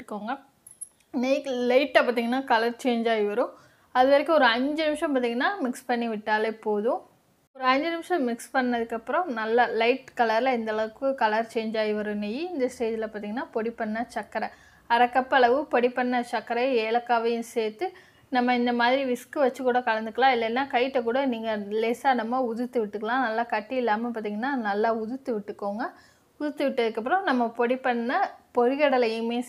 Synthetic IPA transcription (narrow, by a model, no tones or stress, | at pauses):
ɯkːoːŋɡɐ | nejklɐɪʈːɐpaːɾt̪iŋɡɐnːaːkɐlɐɾt͡ʃeːɲd͡ʒaːjiʋɐɾɯ̃ | ɐðɯʋɐɾɪkːɯɔɾɯɐɲd͡ʒɯnɪmɪʂɐ̃mp̬aːɾt̪iːŋɡɐnːaːmɪkspɐɳːiʋɪʈːaːlepoːðʊ̃ | ɔɾɯɐɲd͡ʒɯnɪmʂɐ̃mɪkspɐɳːɐðɯkːɐpːɯɾɔ̃nɐlːɐlɐɪʈkɐlɐɾlɐɪnd̪ɐɭɐʋɯkːɯkɐlɐɾt͡ʃeːɲd͡ʒaːjiʋɐɾɯ̃nɛjiɪnd̪ɐsʈeːd͡ʒɪlɐpaːt̪iːŋɡɐnːaːpɔɽipːɐɳːɐt͡ʃɐkːɐɾɐ | ɐɾɐkːɐpːɐɭɐʋɯpɔɽipːɐɳːɐt͡ʃɐkːɐɾɐeːlɐkːaːʋɐjʊ̃seːt̪ːɯ | nɐmːɐɪnd̪ɐmaːðɪɾiʋɪskɯʋɐt͡ʃːɯkːuːɽɐkɐɭɐnd̪ɯkːɐlãːɪlːɐnːaːkɐɪɪʈːɐk̬uːɽɐniːŋɡɐlesaːnɐmːɐʊðɯt̪ːɯʋɪʈːɯkːɐɭãːnɐlːaːkɐʈːiɪlːaːmɐpaːɾt̪iːŋɡɐnːaːnɐlːaːʊðɯt̪ːɯʋɪʈːɯkːoːŋɡɐ | ʊðɯt̪ːɯʋɪʈːɐðɯkːɐp̬ːɯɾõnɐmːɐpɔɽipːɐɳːɐpɔɻɪɣɐɽɐlɐjɯ̃meː